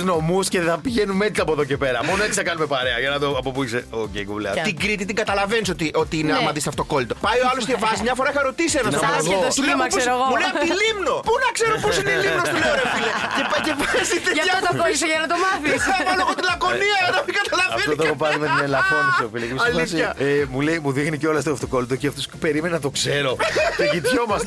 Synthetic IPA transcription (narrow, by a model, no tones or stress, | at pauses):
zno̞musceðeθɐpiʝenunmet̪it̪ɐpoeðo̞cepe̞ɾɐmonoeksɐkɐnume̞pɐɾeɐʝɐnɐt̪oɐpopuikseocḛjkṵlɐ̰t̪iɡɾit̪it̪iɡɐt̪ɐlɐvenisot̪iʔo̞t̪iineɐmɐðist̪ɐft̪oko̞lit̪o̞pɐjoɐloscevɐsmɲɐfoɾɐixɐɾo̞t̪isienɐsooɣot̪ulespɾoɣomuneɐt̪ilimno̞ponɐkse̞ɾoposinelimnosleoɾefilecepɐjcevɐsit̪eɐçɐot̪ɐolisɐʝɐnɐt̪omɐθieɐmɐloɣot̪ilɐko̞niɐnɐmiɡɐt̪ɐlɐvɐent̪ot̪oopɐɾimet̪inelɐxonisofilekɐlisçɐemulejmuðixniceo̞lɐst̪oft̪oko̞lit̪ociɐft̪ospe̞ɾimenenɐt̪o̞kse̞ɾo̞t̪ʝit̪çomɐs